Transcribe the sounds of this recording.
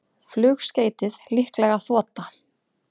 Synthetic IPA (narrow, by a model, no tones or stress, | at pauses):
flʏːxsceːjt̪ɪðlihklɛɣaθɔːt̪a